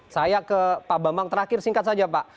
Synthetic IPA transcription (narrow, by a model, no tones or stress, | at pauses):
sajakəpabambaŋt̪əɾakɪrsiŋkat̪̚sad͡ʒapaʔ